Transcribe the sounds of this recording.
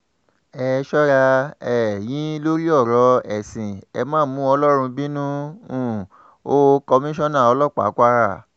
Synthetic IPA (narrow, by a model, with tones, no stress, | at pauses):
ɛ˧˨ʃɔ˦ɾa˧ɛ˨j̃ĩ˨˦lo˦ɾi˦ɔ˦˨ɾɔ˧˦ɛ˨sĩ˨ɛ˧mãː˦˨mũ˨˦ɔ˧lɔ˦ɾ̃ũ˧bĩ˦nũ˦ũ˦˨ | o˦kɔ˧mĩ˦ʃɔ̃˦nã˦˨ɔ˧lɔ˦˨k͡pa̰˨˦kʷa˧ɾa˦˨